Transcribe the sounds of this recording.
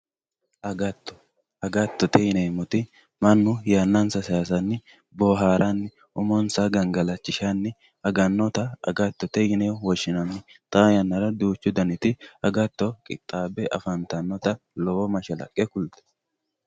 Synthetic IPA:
ʔɐɡɐt̪ːɔ̥ | ɐɡɐt̪ːɔt̪ɛjɪnɛmɔt̪ɪ | mɐnːʊjaːnːɐnsɐsjaːs̬ɐnːɪ | boɦaːɾʔɐnːɪ | ʊmɔnsɐɡɐŋɡɐlɐt͡ʃːɪʃanːɪ | ɐɡɐnːɔt̪ɐɐ̰ɡɐt̪ːɔt̪ɛjɪnɛwɔʃːɪnɐnːɪt̪ʼaːjɐnːɐɾɐd̪uːt͡ʃːʊd̪ɐnɪt̪ɪɐɡɐt̪ːɔkʼɪ̰t̪ʼːaːbɛʔɐ̰fɐnt̪ɐnːɔt̪ɐ | lɔwɔmɐʃɐlɐ̰kʼːɛkʊlt̪ɛ̥

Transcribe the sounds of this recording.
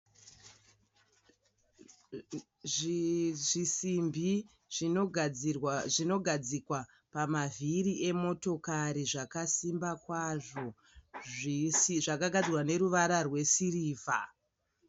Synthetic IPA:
ʐʐisimbʱi | ʐ | ʐinoɡʱad͡zikwa | pamavʱiɾiʔe̞mo̞to̞kaɾiʐakasimbakwaʐo̞ | iʐakaɡʱad͡zirwane̞ɾuʋaɾarwe̞siriːvʱa

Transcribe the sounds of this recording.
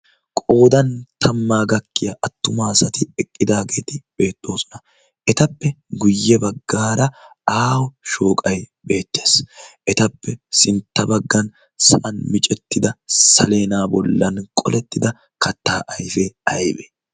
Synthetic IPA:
kʼo̞ːd̪ɐnt̪ʰɐmːaːɡɐkːɪjɐʔɐt̪ːʊmaːsɐt̪ɪɛkʼːɪd̪aːɡe̞ːt̪ɪb̥e̞ːt̪ʼːo̞ːsɔ̥nɐ | ʔɛt̪ɐpːɛɡʊjːɛbɐɡːaːɾɐ | aːwɔʃo̞ːkʼɐjbe̞ːt̪ːe̞ːsʔɛt̪ɐpːɛsɪnt̪ːɐbɐɡːɐn | sɐʔɐnmɪt͡ʃʼɛt̪ːɪd̪ɐsɐ̰le̞ːnaːbɔlːɐnkʼɔ̰lɛt̪ːɪd̪ɐ | kɐt̪ːaːʔɐjfeɐjbɛ

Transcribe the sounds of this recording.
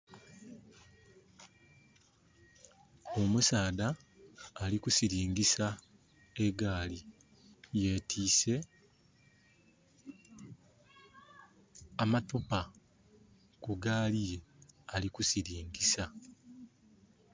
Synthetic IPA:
o̞musaːdaː | likusiɾiːŋɡisa | e̞ɡaːli | je̞tʰiːse̞ | amatupa | kuɡaːlije̞alikusiɾiːŋɡisa

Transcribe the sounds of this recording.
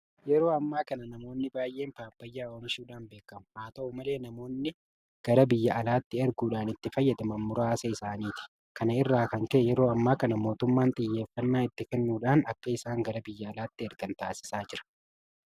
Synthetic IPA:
jɛɾo̞ːɐmːaːkɐnɐnɐmo̞ːnːɪbaːjʔe̞ːmpaːpːɐjːaːoːmɪʃuːᶑaːnbe̞ːkːɐmʊhaːt̪ɐumɐle̞ːnɐmo̞ːnːɪ | ɡ̥ɐɾɐbɪjːɐɐlaːt̪ːɪɛɾɡuːᶑaːnɪt̪ːɪfɐjːɐd̪ɐmɐːʊɾaːsɐɪsaːniːt̪ɪ̥ | kɐnɐɪrːaːkɐŋkɛʔjɛɾo̞ːɐmːaːkɐnɐmo̞ːt̪ʊmːaːnt̪ʼɪjːe̞ːfːɐnːaːɪt̪ːɪkɛnːuːᶑaːnɐkːɐɪsaːŋɡɐɾɐbɪjːɐːlaːt̪ːɪɛɾɡɐnt̪aːsɪ̥saːd͡ʒɪɾɐ̥

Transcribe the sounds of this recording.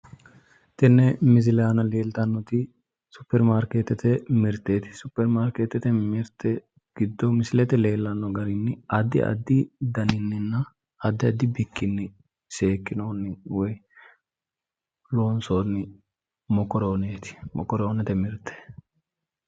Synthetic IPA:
t̪ɛnːɛmɪs̬ɪlaːnɐleːlt̪ɐnːɔt̪ɪ | sʊpːɛɾmaːɾkeːt̪ɛt̪ɛmɪɾt̪ːeːt̪ɪ̥sʊpːɛɾmaːɾkeːt̪ɛt̪ɛmɪɾt̪ːɛ | ɡ̥ɪd̪ːɔmɪsɪlɛt̪ɛle̞ːlːɐnːɔɡɐɾɪnːɪɐd̪ːɪ̰ɐ̰d̪ːɪd̪ɐnɪnːɪnːɐ | ɐd̪ːɪɐd̪ːɪbɪkʰːɪnːɪ | se̞ːkːɪnoːnːɪwɔj | loːnsoːnːɪ | mɔkːɔɾoːneːt̪ɪ̥mɔ̰kːɔɾoːnɛt̪ɛmɪɾt̪ʰːɛ̥

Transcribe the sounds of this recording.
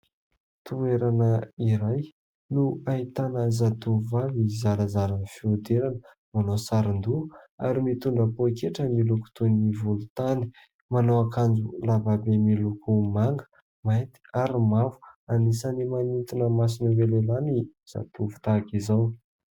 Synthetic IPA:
t̪ueɾanəiɾaj | nuait̪anəzat̪uvavizaɾəzaɾanfiud̪eɾanə | manosaɾind̪ua̰ɾimit̪uɳɖ͡ʐəpokeʈ͡ʂəmiluku̥t̪univulut̪ani̥ | manowakand͡zulavabemilukumaŋɡə̥ | mat̪i̥aɾimavu̥anisanimanit̪inəmas̬inəvelelaniz̥a̰t̪uvu̥t̪akizaw

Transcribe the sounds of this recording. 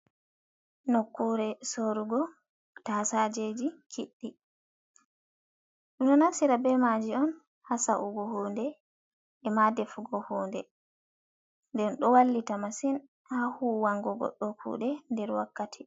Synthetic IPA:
nokːuɾɛsoɾuɡɔ | tasad͡ʒed͡ʒikʰiɗːi | ɗunɔnasiɾabɛmad͡ʒiɔn | hasaʔuɡɔhondɛ | ɛmadɛfuɡɔhɔːndɛ | ndɛnɗɔwalːitamasin | hahuwaŋɡɔɡɔ̰ɗːɔkʰṵːɗɛndɛɾwa̰kːatʰi

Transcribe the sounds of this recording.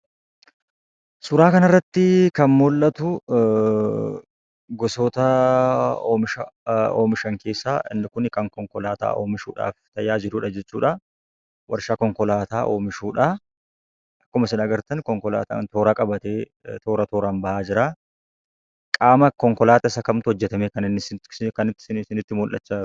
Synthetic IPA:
sʊɾaːkɐnɪrːɐt̪ːɪkɐnmʊlʔɐt̪ʊ | ɡɔsoːt̪ɐ | oːmɪʃɐoːmɪʃɐŋke̞ːsːaːʔɪ̰nːɪkʊnkɐŋkɔŋkɔlaːt̪a̰ːʔoːmɪʃṵːᶑa̰ːft̪ɐjaːd͡ʒɪɾuːᶑɐd͡ʒɛt͡ʃːuːᶑɐ | wɐɾʃaːkɔŋkɔlaːt̪aːʔoːmɪʃuːᶑa | ʔɐkːʊmɐsɪnɐɡɐɾt̪ɐnkɔŋkɔla̰ːt̪a̰ːnt̪oːɾaːkʼɐbɐt̪eː | t̪o̞ːɾɐt̪oːɾaːnbɐʔaːd͡ʒɪɾaː | kʼaːmɐkɔŋkɔlaːt̪ɐɪsɐkɐmt̪ʊhɔd͡ʒːɛt̪ɐmekɐnɪnːɪsɪkɐnɪt̪ːsɪnɪt̪ːɪmʊlʔɐ̰t͡ʃːɐ

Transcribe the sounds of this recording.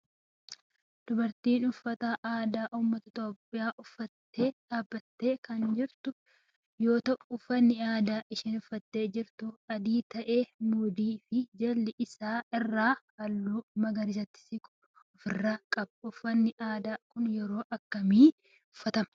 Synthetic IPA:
d̪̥ʊbɐɾt̪iːnʊfːɐt̪aʔaːd̪aːʔʊmːɐt̪ɐɪt̪o̞ːpʼːɪjaːʔʊfːɐt̪ːe̞ːd̪̥aːbːɐt̪ːeːkɐnd͡ʒɪɾt̪ʊ | jo̞ːt̪ɐʔʊʊfɐnːɪaːd̪aːʔɪʃɪnʊfːɐt̪ːe̞ːd͡ʒɪɾt̪ʊɐd̪iːt̪ɐʔe̞ːmuːd̪iːfɪd͡ʒɐlːɪʔɪsaːɪrːaːhɐlːuːmɐɡɐɾɪd͡ʒɐt̪ːɪ̥sɪkʼʊ̥ | ʊfɪrːaːkʼɐbɐʊfɐnːɪʔaːd̪aːkʊnjɛɾo̞ːʔɐkːɐmiː | ʊfːɐt̪ɐmɐ

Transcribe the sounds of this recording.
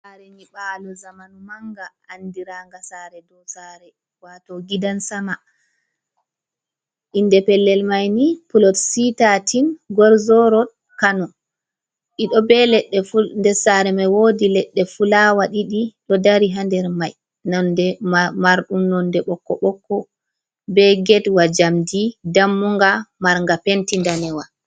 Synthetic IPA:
saɾɛniɓalɔzamanumaŋɡaːndiɾaːŋɡasaɾɛdɔsaɾɛ | watɔɡidansama | ʔindɛpɛlːɛlmajnipulɔtsitatinɡɔɾzɔɾɔd | kanɔ | ɗiɗɔbɛlɛɗːɛfundɛsaɾɛmawodilɛɗːɛfulawaɗiɗiɗɔdaɾiɦandɛɾmaj | nɔndɛmaɾɗumnɔndɛɓɔkːɔ̰ɓɔkːɔ | bɛɡɛtwad͡ʒamdidamːuŋɡamaɾŋɡapentindanɛwa

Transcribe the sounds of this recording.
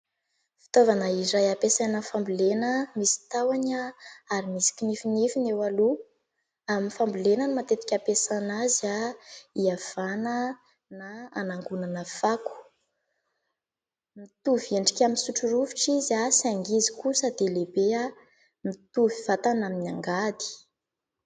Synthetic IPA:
fi̥t̪ovanaiɾajapesanaəfambulenəmisi̥t̪awaɲaaɾimisi̥kʲinifinifinewalu | aminfambulenənimat̪et̪i̥kʲapesanazaiav̥anə | naanaŋɡunanəfaku̥ | mit̪uvieɳɖ͡ʐi̥kʲaminsuʈ͡ʂuɾuviʈ͡ʂizasiaŋɡizikusad̪elebea | mit̪uviv̥at̪anaminaŋɡad̪i̥

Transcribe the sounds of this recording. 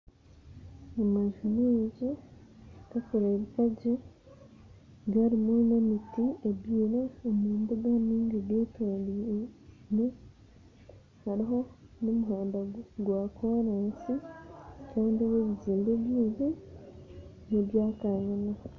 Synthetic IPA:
amaʒuɾiɟi | kakoɾeːβikaɟe | ɡaɾimunemitieβiːɾoːmuːnbuɡaniːŋɡeɡeːtoːndi | ne | haɾiɦo̞nomuɦaːndaɡwaːkoːɾansi | kaːndioβeβiziːmbeβjiːnzi | neβjaːkaɲana

